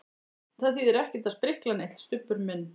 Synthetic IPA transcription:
θaðθiðɛɾɛhcɛ̥t̪aðspɾɪhklanejt̪l̥st̪ʏpːʏɾmɪnː

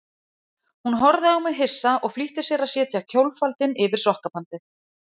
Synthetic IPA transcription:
hun̪ɦɔɾðɪawmɛðɦɪsːaʔɔɣfliht̪ɪ̥sjɛɾaðsjɛːt̪ʰjacʰowlfalt̪ɪnɪvɪɾ̥sɔhkapant̪ɪ

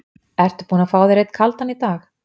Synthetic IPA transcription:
ɛr̥t̪ʏ̥puːnafaːwðɪɾejt̪kʰalt̪hanit̪aːx

